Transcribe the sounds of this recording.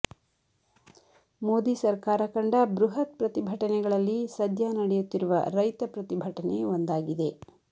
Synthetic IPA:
moːd̪iːsɐɾkaːɾɐkɐɳɖɐbɾuɦɐt̪̚pɾɐt̪ibʱɐʈɐnɛɡɐɭɐlːisɐd̪ʱjanɐɽɛjut̪ːiɾuʋɐ̰ɾɐjt̪ɐpɾɐt̪ibʱɐʈɐneond̪aːɡid̪e̞

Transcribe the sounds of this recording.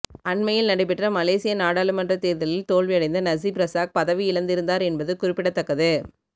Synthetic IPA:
ɐɳmɐjɪlnɐɽɛɪp̬ːɪʈrɐmɐleːsɪjɐnaːɽaːlɯmɐndrɐt̪eːɾðɐlɪlt̪oːɭʋɪɐɽɐɪnd̪ɐnɐsipɾɐsaːk̚pɐðɐʋiɪlɐnd̪ɪɾɯnd̪aːɾɛnbɐðɯkʊrɪpːɪɽɐt̪ːɐkːɐðɯ

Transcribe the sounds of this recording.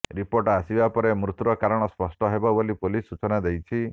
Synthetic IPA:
ɾipoɾʈasibapɔɾemɾut̪uɾɔkaɾɔɽ̃ɔspɔsʈɔɦebɔbolipulisːut͡ʃɔnad̪ejt͡ʃʰi

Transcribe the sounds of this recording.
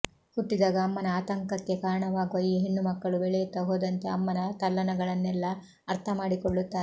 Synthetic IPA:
huʈːid̪aːɡɐːmːɐnɐaːt̪ɐŋkɐt̪jekaːɾɐɳɐʋaːɡuʋɐjːiɦeɳːumɐkːɐɭubɛɭɛjut̪ɐɦoːd̪ɐnt̪e̞ɐmːɐnɐt̪ɐlːɐnɐɡɐɭɐnːɛlːɐː | ɾt̪ʰɐmaːɽikoɭːut̪ːaːɾe

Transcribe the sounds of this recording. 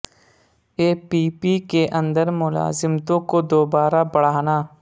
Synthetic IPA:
eːpiːpikeʔɐ̃nd̪əɾmʊla̰ːzɪmt̪õkod̪oːbaːɾabɐɽ̤aːnaː

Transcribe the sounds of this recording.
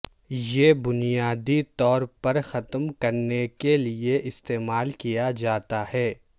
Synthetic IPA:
jeːbʊnijaːd̪it̪ɔːɾpɐɾxɐt̪mkɐɾnekelieʔɪst̪eːmaːlkijad͡ʒaːt̪ahɛː

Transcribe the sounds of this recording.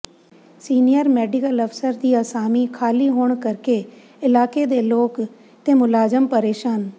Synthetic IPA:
siːnijəɾmɛːɖɪkələfsəɾd̪iːəsaːmiːkʰaːliːɦoːɳkəɾkeː | ɪlaːkeːd̪eːloːk | t̪eːmʊlaːzəmpəɾeːʃaːn

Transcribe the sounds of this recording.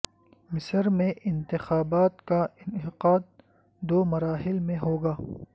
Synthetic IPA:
mɪsəɾmẽʔɪnt̪ɪxaːbaːt̪kaɪnɪqaːd̪̚ | d̪oːmɐɾaːɦɪlmẽɦoːɡaː

